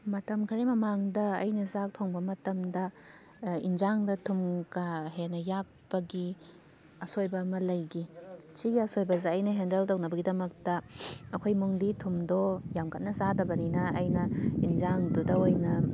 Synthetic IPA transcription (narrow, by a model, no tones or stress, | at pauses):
mɐtɐmkʰɐɾimɐmaŋdɐːjnɐzak̚tʰoŋbɐmɐtɐmdɐ | ind͡ʒaŋdɐtʰumkaɦenɐjak̚pɐɡi | ɐsojbɐmɐlɐjɡit͡ʃiɡiɐsojbɐzeɐjnɐɦendɐltownɐbɐɡidɐmɐk̚tɐɐkʰojmuŋditʰumdojamkʰɐt̚nɐzadɐbɐninɐːjnɐind͡ʒaŋdudɐojnɐ